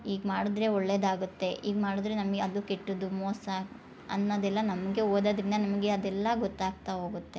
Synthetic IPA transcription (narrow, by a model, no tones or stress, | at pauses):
iːɡmaːɽud̪ɾe̞ɔɭːed̪aːɡut̪ːe̞ʔiːɡmaːɽud̪ɾe̞nɐmɐɡeɐd̪ukeʈːud̪umɔːsɐ | ɐ̰nːɐd̪ɛlːɐnɐmɐɡe̞oːd̪ɐd̪ɾind̪ɐnɐmɐɡe̞ɐd̪ɛlːɐɡɔt̪ːaːɡ̚t̪aɦo̞ːɡut̪ːe̞